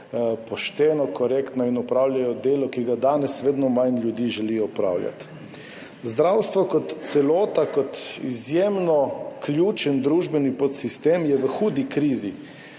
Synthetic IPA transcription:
pɔʃt̪ɛːnɔkɔɾekt̪nɔinɔpɾaːwljajɔd̪eːlɔkiɡad̪aːnɛsʋeːd̪nɔmajnljud̪iːʒɛlijɔpɾa̰ːwlja̰t̪ | zd̪ɾawst̪ʋɔkɔt̪sɛlɔːt̪akɔt̪izjemnɔklʲjuːt͡ʃənd̪ɾuːʒbɛnipɔt̪sist̪eːmjɛʋəxuːd̪ikɾiːzi

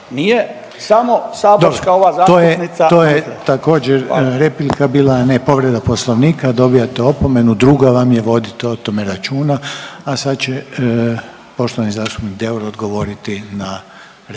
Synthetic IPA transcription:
nije | samosaːbd̪obɾokaoʋaːzaːt̪oːjenisao̞ːjet̪ako̞ːd͡ʑeɾɾeplikabiːlaːne̞po̞ʋɾe̞d̪apo̞slˠo̞ʋniːkad̪o̞bijat̪eo̞po̞me̞nud̪ɾuɡaʋamjeʋo̞d̪it̪oot̪o̞me̞ɾat͡ʃuːnaːsad̪t͡ɕe | po̞ʃt̪oʋanizaːst̪u̥pnikd̪euɾod̪ɡo̞ʋo̞ɾit̪ina

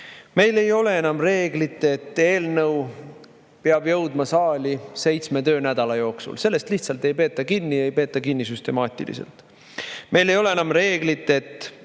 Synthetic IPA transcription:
me̞jle̞jo̞le̞enɑmre̞ːɡlit̪ːˑe̞t̪ːˑe̞ːlnɤw | peɑb̥jɤ̞wd̪̥mɑsɑːlʲise̞jt̪sme̞t̪øːnæd̪̥ɑlɑjo̞ːksṵlse̞lːe̞st̪liht̪sɑlt̪e̞jpe̞ːt̪ˑːɑkinːiejpe̞ːt̪ːˑɑkinːisyst̪e̞mɑːt̪ʲˑḭlḭsḛlt̪ˑ | me̞jle̞jo̞le̞enɑmre̞ːɡlit̪ːˑe̞t̪ːˑ

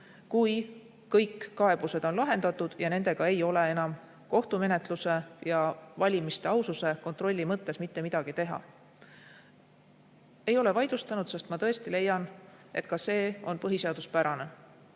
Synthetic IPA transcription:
kuj | kɤjkːɑe̞b̥use̞d̪̥o̞nlɑɦe̞nd̪̥ɑt̪ːˑud̪̥jɑne̞ne̞ɡ̥ɑe̞jo̞le̞e̞nɑm | ko̞ht̪ume̞ne̞t̪ˑluse̞jɑvɑlʲimist̪e̞ɑwsuse̞ko̞nt̪ro̞lʲːimɤt̪ːe̞smit̪ːe̞mid̪̥ɑɡ̥it̪eɦɑ̰ | e̞jo̞le̞vɑjd̪ust̪ɑnud̪sest̪mɑt̪ɤ̞e̞st̪ile̞jːɑn | ʔe̞̰t̪̚ːˑkɑse̞ːo̞npɤɦise̞ɑd̪̥uspæɾɑne̞

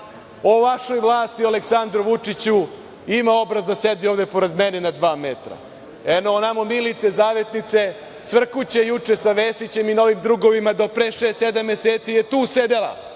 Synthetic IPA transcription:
oʋaʃo̞jʋlˠaːst̪ialeksand̪ɾoʋut͡ʂit͡ɕu | imao̞bɾazd̪ased̪ioːvd̪epo̞ɾe̞d̪menenad̪ʋaːmet̪ɾa̰ | enonamomilit̪sezaːʋe̞t̪nit̪se̞ | sʋr̩kut͡ɕe̞jut͡ʂesaʋeːsit͡ɕe̞mino̞ʋimd̪ɾuɡo̞ʋimad̪o̞pɾeʃeːst̪sed̪amːeseːt̪sijet̪uːsed̪e̞la̰

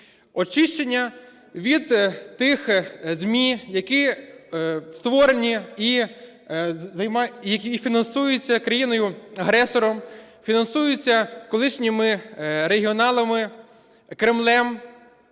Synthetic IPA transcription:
ɔt͡ʃɪʃt͡ʃenʲːɐ | ʋʲid̪t̪ɪxzʲmʲijɐki | st̪ʋɔɾenʲii | zɐjmɑjɐkʲifʲinɐnsujʊt͡sʲːɐkɾɐjinɔjʊɐɦɾɛsɔɾɔmfʲinɐnsujʊt͡sʲːɐkɔlˠɪʃnʲɪmɪɾeɦʲiɔnɑlˠɐmɪ | kɾɪmlˠɛm

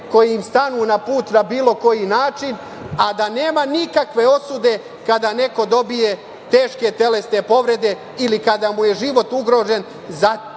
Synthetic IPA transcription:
ko̞jiimst̪anuːnapuːt̪nabiːloko̞jinaːt͡ʃin | ad̪aneːmanikakʋe̞o̞sud̪e̞ | kad̪ane̞ko̞d̪o̞bije̞ | t̪e̞ːʃke̞t̪e̞le̞sne̞po̞ʋɾe̞d̪e̞ | ilikad̪amujeʒiʋo̞t̪uɡɾo̞ːʒe̞n | za

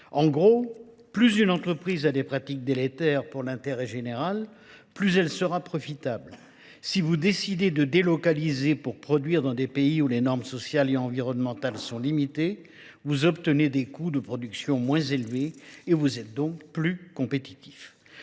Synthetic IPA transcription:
ɑ̃ɡʁo | plyzynɑ̃t̪χəpχizad̪epχat̪ik̚d̪elet̪ɛʁpuʁlɛ̃t̪eʁɛʒeneʁal | plyzɛlsəʁapχɔfit̪abl | sivud̪esid̪ed̪əd̪elɔkalizepuʁpχɔd̪ɥiʁd̪ɑ̃d̪epeiulenɔʁmsɔsjaleɑ̃viʁɔnmɑ̃t̪alsɔ̃limit̪e | vuzɔpt̪əned̪ekud̪əpχɔd̪yksjɔ̃mwɛ̃zelveːvuzɛt̪̚d̪ɔ̃kplykɔ̃pet̪i̥t̪i̥f

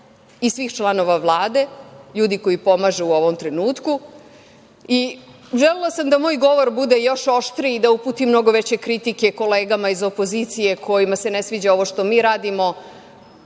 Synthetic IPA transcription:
isʋiːxt͡ʃlˠano̞ʋaʋlˠaːd̪e̞ʎuːd̪iko̞jipo̞maʒuːo̞ʋo̞mt̪ɾenuːt̪ku | iʒelelasamd̪amo̞ːjɡo̞ʋo̞ɾbud̪ejo̞ʃo̞ʃt̪ɾiːd̪auput̪imno̞ɡo̞ʋet͡ɕe̞kɾit̪ike̞ko̞leːɡamaizo̞po̞ziːt̪sije̞kʰo̞jimase̞nesʋiːd͡ʑao̞ʋo̞ʃt̪o̞miːɾaːd̪imo̞

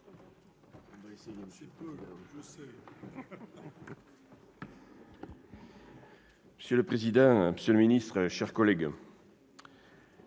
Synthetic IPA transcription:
məsjøləpχezid̪ɑ̃məsjøləminist̪χəʃɛʁkɔlɛɡ

